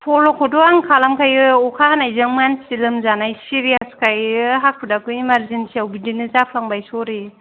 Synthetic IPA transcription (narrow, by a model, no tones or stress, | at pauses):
pʰɔlɔkʰɔdɔaŋkʰalamkʰajɔkʰahanajzɯŋmansilɯmzanajsiɾiaskʰajɦak̚ʰudakɯimaɾzensiawbidinɯzapʰlaŋbajsɔɾi